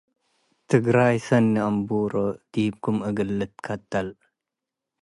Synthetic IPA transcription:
t̪ʰɨɡɾajsɐnːiambuɾod̪̥ib̚kʰumɐɡɨlːɨt̪kʰɐt̪ːal

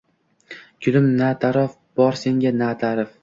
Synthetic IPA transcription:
kʰʲʊlɪmnat̪ʰaɾɒf | b̥ɒɾse̞ŋɡʲanat̪ʰaɾɪf

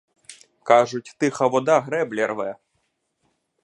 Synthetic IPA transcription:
kaʐut͡sʲt̪ɨxɐʋɔd̪aɣɾɛblʲɛrvɛ

